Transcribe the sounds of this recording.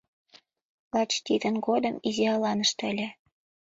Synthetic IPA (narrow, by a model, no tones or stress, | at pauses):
lɑt͡ɕt̪id̪ənɡod̪əmiziɑlɑnəʃt̪əlʲe